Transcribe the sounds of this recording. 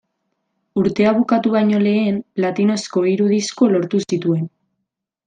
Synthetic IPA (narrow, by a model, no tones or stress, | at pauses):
uɾt̪e̞aβ̞ukat̪uβ̞ajɲo̞le̞ːmplat̪ino̞sko̞iɾuðisko̞lo̞ɾt̪usit̪ue̞n